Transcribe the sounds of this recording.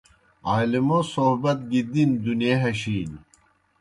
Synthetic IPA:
aːlimosoɦbɐt̪̚ɡid̪ind̪uneɦɐɕiːn

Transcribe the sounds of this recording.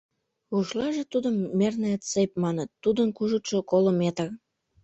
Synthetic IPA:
uʃlɑʒĕt̪ud̪ə̆mːernĕt̪t͡sejp̚mɑnət̪ːud̪ənkuʒut̪ʃŏkolə̆met̪ɑ

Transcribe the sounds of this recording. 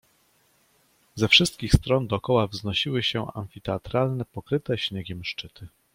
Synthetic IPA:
zɛfʂɘst̪̚kʲixst̪ɾɔnd̪ɔːkɔwavznɔɕiwɘɕɛa̰ɱfʲit̪ɛat̪ɾalnɛpɔkɾɘt̪ɛɕɲeɡʲɛmʂt͡ʂɘt̪ʰɘ

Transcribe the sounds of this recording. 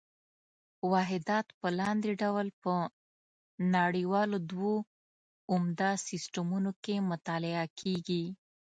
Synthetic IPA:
wɑɦɪd̪ɑt̪pəlɑnd̪eɖawlpə | naɽiwɑlod̪wo | ʊmd̪asɪsʈamunokemʊt̪ɑlɪakʰeɡi

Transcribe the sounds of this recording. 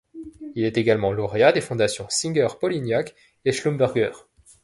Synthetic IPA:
ilɛt̪eɡalmɑ̃lɔʁead̪efɔ̃d̪asjɔ̃sĩŋɡʲœʁpɔlinjak | eʃlumbɛʁɡœːʁ

